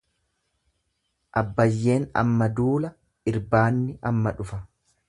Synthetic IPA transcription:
ʔɐbːɐjːe̞ːnɐ̰mːɐd̪uːlɐ | ɪɾbaːnːɪʔɐmːɐᶑʊfɐ

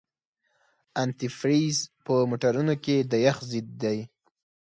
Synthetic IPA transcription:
ant̪ifɾizpəmoʈaɾunoked̪ajaxzid̪ːaj

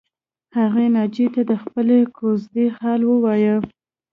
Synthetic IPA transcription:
haɣenɑd͡ʒet̪ad̪əxpəlekʰozd̪exɑlwəwɑjə

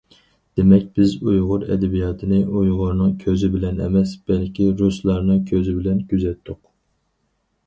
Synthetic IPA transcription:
d̪̥emɛk̚ʲbɪzujʁʊɾɛ̰d̪ɛbijɑːt̪ʰɨnɪʔujʁʊɾnɨŋkʲʰøzɪbɪlɛnɛ̰mɛsb̥ɛlkʲiɾuslˠɑɾnɨŋkʲʰøzɪbɪlɛnkʲyzɛt̪ʰːʊq

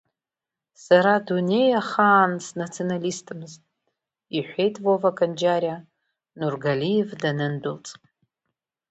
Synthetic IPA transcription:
saɾadune̞jaχaːnsnat͡sʰionalistʰɨmɨztʼ | iħʷe̞jtʼvovakʼand͡ʒaɾʲa | nurɡalijevdanɨndɨlt͡sʼ

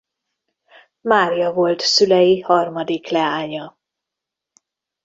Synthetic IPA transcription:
maːrjɒvo̞lt̪sylɛjihɒrmɒd̪iklɛaːɲɒ

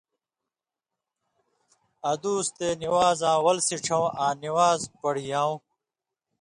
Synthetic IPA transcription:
ɐd̪uːst̪eːniwaːzãːwɐlsiʈ͡ʂʰɐ̃wãːniwaːzpɐɽijãːw̃

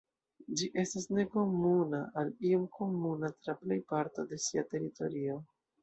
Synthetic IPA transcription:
d͡ʒiʔe̞stasne̞ko̞munaʔaliomko̞munatɾaple̞jpaɾto̞de̞siate̞ɾito̞̰ɾio̞

